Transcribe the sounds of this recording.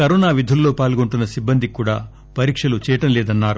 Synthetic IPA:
kɐɾɔːnaːʋid̪ʱulːo̞ːpaːlɡoɳʈunːɐsibːɐnd̪ʱikuːɽaː | pɐɾiːkʂɐlut͡ʃɛːjɐʈɐmlɛːd̪ɐnːaːɾu

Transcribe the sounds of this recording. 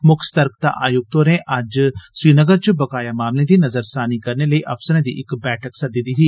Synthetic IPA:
mʊkʰst̪əɾkt̪a̰ʔa̰ːjʊɡ̚t̪oːɾẽʔʔɐd͡ʒswiːnəɡəɾt͡ʃbəkaːjamaːmlẽd̪iːnɐzəɾsaːnikɐɾneləiʔɐfsəɾẽːd̪ḭʔɪkbɛːʈʰəksɐd̪ɪd̪iːɦiː

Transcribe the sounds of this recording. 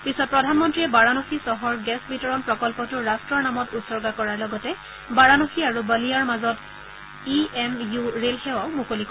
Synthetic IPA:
pisɔt̚pɹɔdʱanmɔntɹiɛbaɹanoxisɔɦɔɹɡɛsbitɔɹɔnpɹɔkɔlpɔtʊɹastɹɔɹnamɔtutsɔɹɡakɔɹaɹlɔɡɔtɛ | baɹanoxiaɹubalijaɹmazɔt | iɛmjuɹelxɛwaʊmukolik

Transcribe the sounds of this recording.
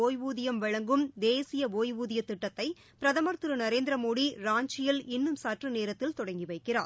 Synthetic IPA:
oːjʋuːðɪjɐmʋɐɻɐŋɡɯmd̪eːsɪjɐʋoːjʋuːðɪjɐt̪ːɪʈːɐt̪ːɐɪ | pɪɾɐðɐmɐɾt̪ɯɾɯnɐɾeːnd̪ɪɾɐmoːɽiɾaːɲt͡ʃɪjɪlɪnːɯmsaːʈrɯneːɾɐt̪ːɪlt̪ɔɽɐŋɡiʋɐɪkːɪra̰ːɾ

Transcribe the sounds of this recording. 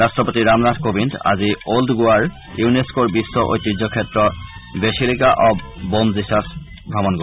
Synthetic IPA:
ɹastɔpot̪iɹamnatʰkobinda̰zioldɡʊaɹ | juneskoɹbisːɔʔo̰jt̪ːid͡ʑɔkʰɛtɹɔbesilikaʔɔbbomzisas | bʱamɔnɡo

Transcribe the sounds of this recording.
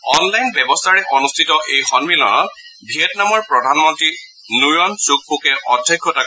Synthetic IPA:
ɔnlajnbɛbɔstʰaɹɛʔɔnustʰitɔʔejxɔnmilɔ̰nɔt̚ | bʱiɛtnamɔɹpɹɔdʱanmɔntɹi | nujɔnsuk̚pukɛʔɔdʱjɔkʰːɔtak

